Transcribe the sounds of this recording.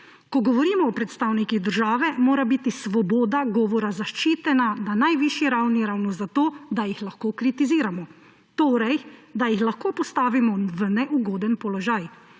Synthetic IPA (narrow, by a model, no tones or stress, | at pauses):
kɔɡɔʋɔɾiːmɔːpɾɛt̪st̪aːwnikiɣd̪əɾʒaːʋɛmoːɾabiːt̪isʋɔboːd̪aɡɔːʋɔɾazaʃt͡ʃiːt̪ɛnananajʋiːʃjiɾawniɾawnɔzat̪oːd̪ajixlaxkoːkɾit̪iziːɾamɔ | t̪oːɾɛjd̪ajixlaxkoːpɔst̪aːʋimɔʋənɛʔuɡɔːd̪ɛnpɔlɔʒaj